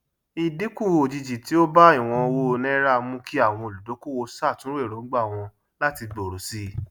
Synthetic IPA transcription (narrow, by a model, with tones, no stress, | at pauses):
i˧di˨˦kũ˦˨o˨d͡ʒi˧d͡ʒi˨ti˨˦o˦ba˦i˦˨w̃ɔ̃˧o˧wo˦˧nɛ̃˦ɾa˦˧mũ˦ki˦a˦˨w̃ɔ̃˧o˨lu˨do˨˦ku˦˨wo˧sa˦˨tũ˨˦ɾe˦˨ɾo˨˦ɡ͡ba˦˨w̃ɔ̃˧ | la˦ti˧ɡ͡bo˨ɾo˨si˦